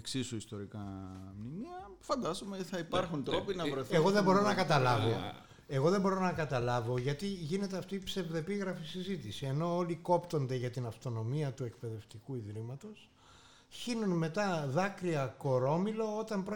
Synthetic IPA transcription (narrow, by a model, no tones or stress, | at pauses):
eksisuist̪o̞ɾikɐ̰mnimiɐfɐnd̪ɐzomeθɐipɐɾxunt̪ɾo̞pinɐvɾojθeɣo̞ðebo̞ɾo̞nɐkɐt̪ɐlɐvo̞ | e̞ɣo̞ðe̞mbo̞ɾo̞nɐkɐt̪ɐlɐvo̞ʝɐt̪iʝine̞t̪e̞ɐft̪iːpse̞vðe̞piɣɾɐfisizit̪isie̞no̞oliko̞pt̪o̞nd̪e̞ʝɐt̪inɐft̪o̞no̞miɐt̪ue̞kpe̞ðe̞ft̪ikuiðɾimɐt̪o̞s | çinunme̞t̪ɐðɐkɾiɐko̞ɾo̞milo̞ot̪ɐmpɾo